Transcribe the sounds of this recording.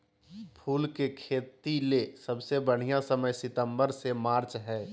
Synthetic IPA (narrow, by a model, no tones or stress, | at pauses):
pʰuːlkekʰeːt̪ilesɐbsebəɽ̤ijãsəməjsɪt̪ə̃mbəɾsemaːɾt͡ʃɦɛː